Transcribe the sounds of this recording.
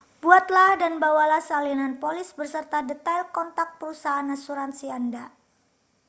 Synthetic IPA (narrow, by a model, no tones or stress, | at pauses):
buat̪lahdanbawalahsalinanpolɪsbərsərt̪adət̪alkɔnt̪ak̚pəɾusaɦːnasuɾansianda